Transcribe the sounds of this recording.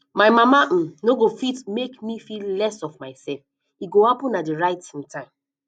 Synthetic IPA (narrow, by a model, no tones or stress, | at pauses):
maɪmamam̩noɡofitmekmifillɛsɔvmaɪsɛlf | iɡohapũnːadiɹaɪtĩŋtʰãɪ̃m